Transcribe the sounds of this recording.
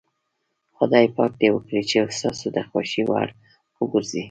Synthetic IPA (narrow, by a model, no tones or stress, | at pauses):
xʊd̪ɑjpɑk̚d̪ewəkɽit͡ʃeəst̪ɑsod̪əxwaʃiwa̰ɽ | wəɡʊɾzi